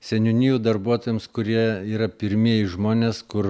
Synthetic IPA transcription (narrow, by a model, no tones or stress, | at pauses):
sʲɛnʲʊnʲiːjuːd̪ɐɾbuɔt̪oːjɛmskʊɾʲiɛiːɾɐpʲɪɾʲmʲiɛjɪʒmoːnʲeːskʊɾ